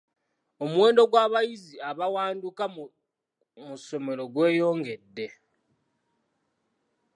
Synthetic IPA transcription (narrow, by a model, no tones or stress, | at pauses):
o̞muwe̞ːndo̞ɡwaːβajiziaβawaːnduka | muso̞me̞ɾo̞ɡwe̞ːjo̞ːŋɡe̞dːe̞